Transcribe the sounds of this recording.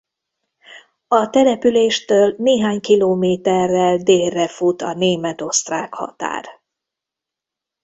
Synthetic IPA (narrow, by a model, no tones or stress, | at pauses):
ɒt̪ɛlɛpyleːʃt̪øːlneːɦaːɲkiloːmeːt̪ɛrːɛld̪eːrːɛfut̪ɒneːmɛt̪o̞st̪raːkhɒ̰t̪a̰ːr